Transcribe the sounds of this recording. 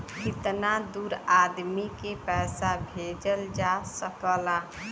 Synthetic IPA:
kɪt̪nad̪uɾad̪mikepɛsabʱed͡ʒəld͡ʒasəkəla

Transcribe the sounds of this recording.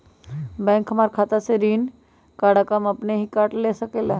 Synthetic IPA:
bɛ̃ːŋkɦɐmaːɾkʰaːt̪aseɾiːn | kaːɽakamɐpneɦikaːʈleːsɐkela

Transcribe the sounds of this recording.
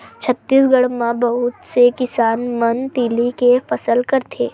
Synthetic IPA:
t͡ʃʰət̪ːiːs̬ɡəɽmãbɐɦʊt̪sekɪsaːnmənt̪iːlikefɐsəlkɐɾt̪ʰeː

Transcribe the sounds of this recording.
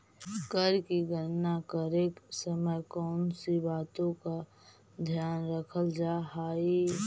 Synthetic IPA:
kəɾkiɡəɾnakəɾeːksəməjkɔʊnsibaːt̪õka | d̪ʱjaːnɾəkʰəld͡ʒaːɦaːi

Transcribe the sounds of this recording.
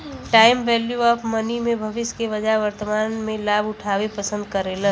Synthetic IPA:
ʈaːɪmʋɛːljuapʰmənimẽbʱəʋɪskeʋəd͡ʒaɦʋəɾt̪əmaːnmẽlaːbʊʈʰaːwepəsə̃nd̪̚kəɾelə

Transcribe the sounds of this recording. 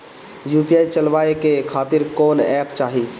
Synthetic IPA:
jupiajt͡ʃəlʋaekekʰaːt̪iɾkɔːnɛpt͡ʃaːɦi

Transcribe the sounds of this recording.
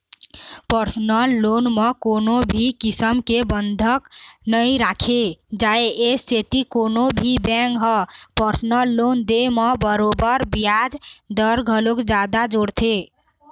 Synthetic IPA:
pəɾsnəlːonmekoːnobʱikisəmkebənd̪ʱəknəiɾakʰed͡ʒaeʔeset̪ikoːnobʱibɛ̃ŋkɦəpəɾsnəlːond̪eməbəɾobəɾbijad͡ʒd̪əɾɡʱəlokd͡ʒad̪ad͡ʒoɽt̪ʰe

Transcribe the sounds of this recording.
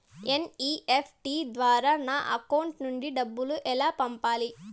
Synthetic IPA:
eniːʔepʰʈiːd̪ʋaːɾaːnaːʔɐkɐwuɳʈnuɳɖiɖɐbːuluʔɛlaːpɐmpaːli

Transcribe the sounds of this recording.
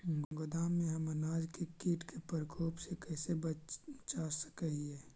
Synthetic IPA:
mʱəŋɡod̪aːmːẽɦɐmənaːd͡ʒkekiːʈkepəɾkʰoːpsekɛːsebət͡ʃasə̥kəɦiɦɛː

